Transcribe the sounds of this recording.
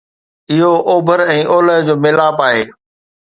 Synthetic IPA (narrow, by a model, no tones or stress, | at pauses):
ɪɦoʔoːbʱəɾɛ̃ːʔoːləɦd͡ʑoːmeːlaːpaːɦeː